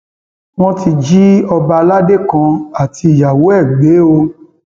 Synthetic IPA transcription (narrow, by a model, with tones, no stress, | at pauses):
w̃ɔ̃˦ti˧d͡ʒi˦ɔ˧ba˧la˦de˦˨kã˧a˨ti˧˨ja˨wo˨˦ɛ˦˨ɡ͡be˨˦o˧